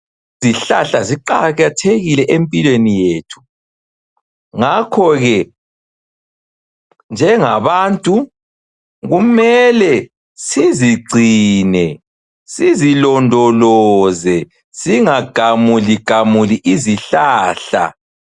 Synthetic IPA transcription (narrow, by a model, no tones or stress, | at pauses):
ziɬaɬaziǃaɣatʰeɣilɛʔempʼilwenijeːtʰu̥ | ŋakʰɔɣɛ | nd͡ʒʱɛŋaβaːntʼu | ɣumɛlɛ | siziɡ͡ǀʱinɛ | sizilɔndʱɔlɔzɛ | siŋaɡ̥ʱamuliɡ̥ʱamuliʔiziɬaːɬa̰